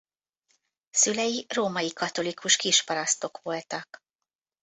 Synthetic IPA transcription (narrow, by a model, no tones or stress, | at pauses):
sylɛjiroːmɒjikɒt̪o̞likʰuʃkiʃpɒɾɒst̪o̞kʋo̞lt̪ɒk